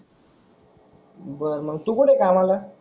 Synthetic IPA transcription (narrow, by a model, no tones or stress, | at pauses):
bəɾməɡt̪ukuʈʰekamala